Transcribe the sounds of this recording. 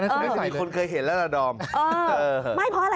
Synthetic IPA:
na˥əː˧˦˥i˦˧˩kʰo˧nkʰɤː˧jɦe˩˦nlɛ˦˥laː˧dɔː˧mʔɤː˧˩ɤː˧˩ma˥˩jpʰɔ˧a˧ɾa˧

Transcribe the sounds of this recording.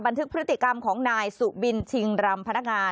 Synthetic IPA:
ba˧nt̪ʰɯ˦˥k̚pʰɾt̪ːi˨˩ka˧mkʰɔː˩˦ŋnaː˧jsu˨˩bi˧nt͡ɕʰi˧ŋɾa˧mpʰa˧na˦˥k̚ŋaː˧

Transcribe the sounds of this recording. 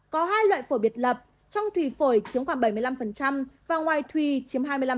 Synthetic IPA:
kɔ˨˦ɦaː˧jlwa̰ː˧˨jfo˧˩jɓi˨˩ət̚lə˨˩p̚ | t͡ɕɔ˧wŋ͡mt̪ʰwi˧˩fo˧˩jt͡ɕi˨˦əŋxwaː˧˩ŋɓə˧˩jmɨ˧jla˧mfə˨˩nt͡ɕa˧mvaː˨˩ŋwaː˨˩jt̪ʰwi˧˨˩t͡ɕi˨˦əmɦaː˧jmɨ˧la˧

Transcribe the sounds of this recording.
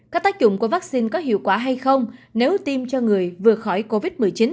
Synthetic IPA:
kaː˦˥k̚t̪aː˦˥k̚t͡ɕʊ̰˧˩ŋ͡mku˧˩əvaː˦˥k̚si˧nkɔ˨˦ɦḭ˧˨əwkwaː˧˩ɦa˧jxə˧wŋ͡mne˨˦wt̪i˧mt͡ɕɔ˧ŋɨ˨˩əjvɨ˨˩əxɔ˧˩jko˧vi˦˥t̚mɨ˨˩əjt͡ɕi˨˦n

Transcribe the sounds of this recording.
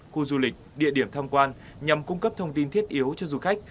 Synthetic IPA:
xu˧zu˧lï˨˩k̟̚ɗḭ˧˨əɗi˧˩əmt̪ʰaː˧mkwaː˧n | ɲa˨˩mkʊ˧ŋ͡mkə˦˥p̚t̪ʰə˧wŋ͡mt̪i˧nt̪ʰi˦˥ət̚ʔi˨˦əwt͡ɕɔ˧zu˨˧˩xa˦˥k̚

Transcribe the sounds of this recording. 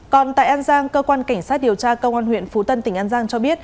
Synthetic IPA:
kɔ˨˩nt̪a̰ː˧˨jʔaː˧nzaː˧ŋkəː˧kwaː˧nka˧˩ŋ̟saː˦˥t̚ɗi˨˩əwt͡ɕaː˧kə˧wʔaː˧nhwḭ˧˨ənfu˨˦t̪ə˧nt̪ï˧˩ŋ̟ʔaː˧nzaː˧ŋt͡ɕɔ˧ɓi˦˥ət̚

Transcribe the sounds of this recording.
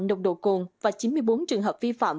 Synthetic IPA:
ɗə˨˩k͡p̚ɗo̰˧˨kʊ˨˩ŋvaː˨˩t͡ɕi˨˦nmɨ˧əjɓo˨˦nt͡ɕɨ˨˩əŋɦəː˨˩p̚vi˧fa̰ː˧˨m

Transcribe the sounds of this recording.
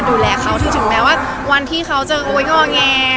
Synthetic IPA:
duː˧lɛː˧kʰa˦˥wt̪ʰiː˧˥˩t̪ʰɯ˩˦ŋpɛː˧˥waː˥˩ | wa˧nt̪ʰiː˥˩kʰa˦˥wt͡ɕa˨˧˩ʔoː˧jŋɔː˥˩ŋɛː˧

